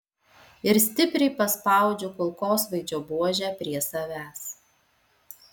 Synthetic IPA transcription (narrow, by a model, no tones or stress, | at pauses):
ɪɾsʲt̪ʲɪpʲɾʲɛɪpɐspɑˑʊd͡ʒʲokʊlˠkoːsʋɐɪd͡ʒʲoːbuɔʒʲæːpʲɾʲiɛsɐʋʲæːs